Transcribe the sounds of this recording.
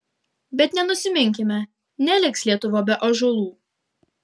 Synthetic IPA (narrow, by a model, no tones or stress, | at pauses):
bʲɛt̪nʲɛnʊsʲɪmʲɪŋʲkʲɪmʲɛ | nʲɛlʲɪkslʲiɛt̪ʊʋoːbʲɛʔoʒʊlˠuː